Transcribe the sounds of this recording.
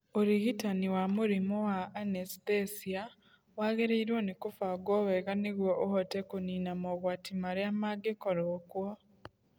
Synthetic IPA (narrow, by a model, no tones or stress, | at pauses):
oɾihitaniwamuɾimowaʔːnestesia | waɣeɾeiɾwonikufaɡoβeɣaniɣwoʔohotekuniːnamoɣwaːtimaɾjamaɡekoɾokwo